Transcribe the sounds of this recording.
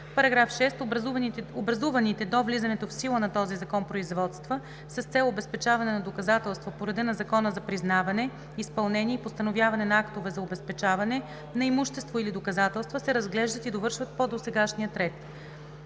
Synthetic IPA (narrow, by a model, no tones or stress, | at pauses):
pɐɾɐɡɾafʃɛst̪ | obɾɐzuvɐnit̪ɛd̪ɔvlizɐnɛt̪ofsilˠənɐt̪ɔzizɐkɔnpɾoizvɔt̪st̪və | sɐst̪sɛlˠobɛspɛt͡ʃavɐnɛnɐd̪okɐzat̪ɛlˠst̪vopoɾɐd̪ənɐzɐkɔnəzɐpɾiznavɐnɛ | ispɐlˠnɛniɛipost̪ɐnovjavɐnɛnɐakt̪ovɛzɐobɛspɛt͡ʃavɐnɛ | nɐimuʃt̪ɛst̪voilid̪okɐzat̪ɛlˠst̪vəsɛɾɐzɡlɛʒd̪ət̪id̪ovɤɾʃvət̪̚pod̪osɛɡaʃnijət̪ɾɛt̪